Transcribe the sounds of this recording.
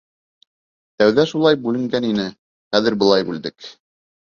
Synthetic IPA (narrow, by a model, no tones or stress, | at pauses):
t̪æwðæʃulˠɑjbʉlɘ̆ŋɡæninɘ | χæðɘ̆ɾbɤ̆lˠɑjbʉld̪ɘk